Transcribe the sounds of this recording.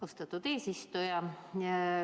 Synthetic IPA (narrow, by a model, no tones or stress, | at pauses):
ost̪ɑt̪ːut̪eːsist̪ojɑ